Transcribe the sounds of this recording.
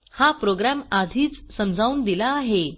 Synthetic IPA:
hapɾoɡɾamad̪ʱiːt͡ssəmd͡zʱauːnd̪ilaːɦe

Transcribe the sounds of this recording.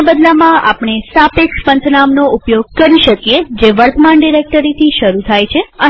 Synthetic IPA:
bəd̪lamãapɳ̃esapekspənt̪ʰənamnoʊpjoɡkəɾiʃəkijed͡ʒeʋəɾt̪əmaɳɖiɾek̚ʈəɾit̪ʰiʃəɾut̪ʰajt͡ʃʰeə

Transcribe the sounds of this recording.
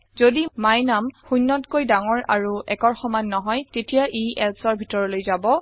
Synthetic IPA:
zodimajnamxunːɔtkojdaŋɔɹa̰ɹuɛkɔɹxɔmanːɔɦɔjtetijaʔiʔɛlsɔɹbʱitɔɹɔlojzabɔ

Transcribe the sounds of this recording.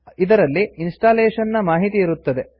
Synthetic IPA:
id̪ɐɾɐlːiinsʈaːleːʂɐnːɐmaːɦit̪iːɾut̪ːɐd̪e̞

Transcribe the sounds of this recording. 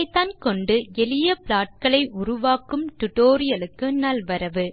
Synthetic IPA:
ɪt̪ːaːnkɔɳɖɯɛlɪjɐpɭaːʈ̚kɐɭɐɪʔʊɾʊʋaːkɯmt̪ʊʈoːɾɪjɐlɯkːɯnɐlʋɐɾɐʋɯ

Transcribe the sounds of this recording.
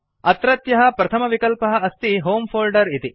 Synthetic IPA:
ɐt̪ɾɐt̪jɐɦɐpɾɐt̪ʰɐmɐʋikɐlpɐɦɐɐst̪iɦoːmpʰoːlɖɐɾit̪i

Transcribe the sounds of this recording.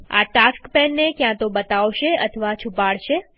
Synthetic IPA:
a̰ʈaskpɛnːekjãt̪obət̪aʋʃeət̪ʰəʋat͡ʃʰupaɭʃe

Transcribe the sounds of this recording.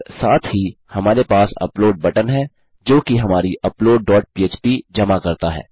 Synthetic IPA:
saːt̪ʰɦihɐmaːɾepaːsɐ̰ploːɖ̚bɐʈənɦɛː | d͡ʒoːkiɦɐmaːɾiʔɐploːɖ̚ːɔːʈ̚piːeːt͡ʃpid͡ʒɐmakɐɾt̪aɦɛ̰ː

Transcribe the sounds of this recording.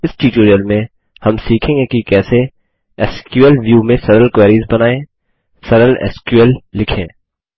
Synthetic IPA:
ɪsʈiːʈoːɾijəlmẽ | hɐmsiːkʰẽːŋɡekikɛːse | ɛːskjuəlʋjuːmẽsɐɾəlkweːɾiːzbɐnaːẽː | sɐɾəlɛ̰ːskjuəlːɪkʰḛ̃ː

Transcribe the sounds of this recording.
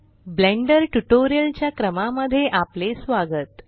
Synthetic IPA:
blẽɳɖəɾʈuʈoɾijəlt͡ɕjakɾəmaməd̪ʱːjeʔaplesʋaɡət̪

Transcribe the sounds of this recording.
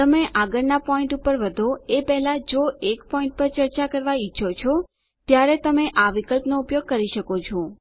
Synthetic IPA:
t̪əmeʔaɡəɾnapɔĩɳʈupəɾʋəd̪ʱoepɛɦɛlad͡ʒoekpɔĩɳʈ̚pəɾt͡ʃəɾt͡ʃakəɾʋait͡ʃʰʃʰot͡ʃʰɔ | t̪jaɾet̪əmeʔaʋikəlpnoupjoɡ̚kəɾiʃəkot͡ʃʰo

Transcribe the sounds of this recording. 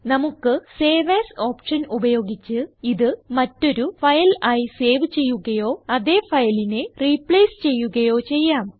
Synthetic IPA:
nɐmukːɨse̞ːʋeːso̞ːpʂɐnubɐjo̞ːɡit͡ɕːɨiðɨmɐtːo̞ɾufɐjɐlaːjise̞ːʋɨt͡ɕe̞jːuɣɐjo̞ːɐðe̞ːfɐjɐline̞ripɭeːst͡ɕe̞jːuɣɐjo̞ːt͡ɕe̞jːaːm

